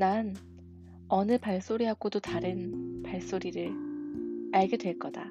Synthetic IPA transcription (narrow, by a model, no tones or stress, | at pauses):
nan | ʌnɯpaɭs͈oɾiɦaɡodotaɾɯnpaɭs͈oɾiɾɯɭ | aɭɡe̞dwe̞ɭk͈ʌda̰